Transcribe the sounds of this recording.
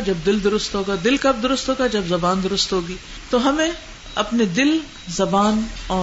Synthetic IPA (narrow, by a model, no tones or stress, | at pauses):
d͡ʒɐbd̪ɪld̪ʊɾʊst̪ɦoːɡad̪ɪlkɐb̚d̪ʊɾʊst̪ɦoːɡad͡ʒɐbzɐbaːnd̪ʊɾʊst̪ɦoːɡiː | t̪oɦɐmẽ | ɐpned̪ɪl | zɐbaːnɔː